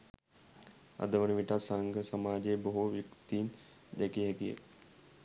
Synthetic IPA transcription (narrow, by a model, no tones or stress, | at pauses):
ɐ̰d̪əʋəniʋiʈasaŋɡʱəsəmaːd͡ʒebəɦuʋjukt̪iːn | d̪ɛkiɦɛkijḛ